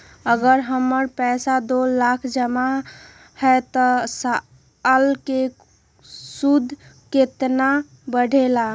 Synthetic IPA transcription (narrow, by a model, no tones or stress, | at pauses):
əɡəɾɦəmːəɾpɛsad̪olakʰd͡ʒəma | hɛt̪ɔsa | əlke | sud̪ʱket̪na | bəɽʱela